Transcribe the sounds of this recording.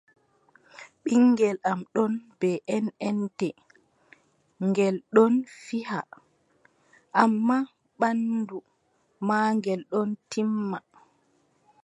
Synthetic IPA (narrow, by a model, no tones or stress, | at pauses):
ɓiŋːɡɛlamɗɔnb̥ɛʔɛnɛntɛ | ŋɡɛlɗɔnfiha̰ | ʔamːa | ɓandu | maːŋɡɛlɗɔntʰimːa